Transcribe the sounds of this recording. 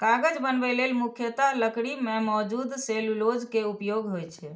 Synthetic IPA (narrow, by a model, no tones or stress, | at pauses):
kaɡəd͡ʒbənbɛlelmukʰjət̪aləkɽimemɔd͡ʒud̪sellod͡ʒkeupjoɡɦojt͡ʃʰɛ